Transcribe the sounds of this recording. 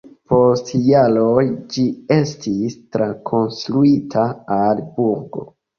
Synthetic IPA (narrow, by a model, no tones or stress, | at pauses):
po̞stjalo̞jd͡ʒie̞stistɾakʰo̞nstɾuitʰaalbuɾɡo̞̰